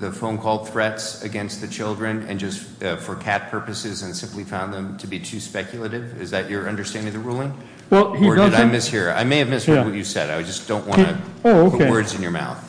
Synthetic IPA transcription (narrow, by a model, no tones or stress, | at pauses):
ðɨfõʊ̃nkʰɔlˠd̪̥̚θɹɛtsɨɡɛ̃nst̪̚ðɨt͡ʃʰɪlˠdɹɨ̃nɨ̰̃nd͡ʒʌst | ʌfə˞kʰæt̚pʰɜ˞pɨsɪzɨ̃nsɪ̃mplifãʊ̃nðə̃mtʰɨbitʰʉspɛkʰjl̩ˠəɾɪvɪzðɨt͡ʃə˞ʌ̃ndə˞stæ̃ndɪ̃ŋðɨɹulˠɪ̃ŋ | wɛlˠhiəɨɾaɪmɪs̚hiɹa̰ɪmeɪɨvmɪst̚wʌt͡ʃɨsɛ̰ɾaɪd͡ʒʌsd̥õʊ̃nʔwɑ̰̃nñɨooʊkʰewɜ˞dzɨ̃njə˞ma̰ʊθ